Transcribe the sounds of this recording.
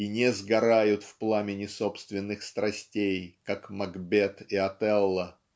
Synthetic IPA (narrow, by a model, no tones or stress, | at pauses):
inʲɛzɡɐɾajʊt̪fplˠamʲɪnʲɪso̞pst̪vʲɪnːɨxst̪ɾɐsʲtʲejkakmɐɡbʲet̪ɪɐt̪ɛlˠːə